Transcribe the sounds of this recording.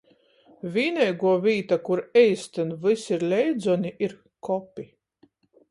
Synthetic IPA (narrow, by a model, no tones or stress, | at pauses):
vʲiːnʲɛjɡuɔvʲiːt̪akuɾɛjst̪ɨnvɨsiɾlʲɛjd̪zɔnʲiʔiɾ | kɔpʲi